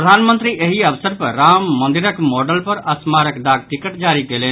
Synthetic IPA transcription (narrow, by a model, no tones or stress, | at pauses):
pɾəd̪ʱaːnmənt̪ɾiʔeɦiɐʋsəɾpəɾamːənd̪iɾəkmɔɖəlpɐɾɐsmaɾəkd̪aːɡ̚ʈikəʈd͡ʒaːɾikele